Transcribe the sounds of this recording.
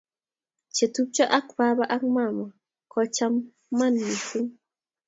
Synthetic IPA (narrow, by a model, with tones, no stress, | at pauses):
t͡ʃe˨tu˦p̚t͡ʃɔ˦ʔa˦kba˦ba˦ʔa˦kma˨ma˨ | kɔ˨t͡ʃa˦mː | a˦nmi˨fu˦ŋ